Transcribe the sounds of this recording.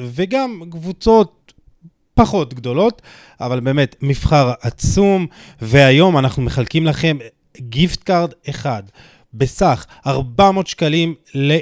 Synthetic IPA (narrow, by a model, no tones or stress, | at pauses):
ve̞ɡamkvut͡so̞t̪̚ | paχo̞tɡd̪o̞lo̞t | avalbeːme̞tmifχaʁʔat͡sum | ve̞ajo̞manaχnume̞χalkimlaχe̞m | ɡiftkaʁde̞χad | be̞saχ | aʁbamo̞ːtʃkalimle